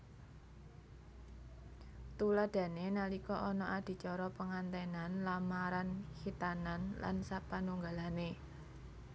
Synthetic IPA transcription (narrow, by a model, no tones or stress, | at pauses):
t̪ulad̪̥ä̤nenalikɔʔɔnɔʔad̪̥i̤t͡ʃɔɾɔpəŋant̪ɛnanlamaɾanhit̪ananla̰nsapanuŋɡalane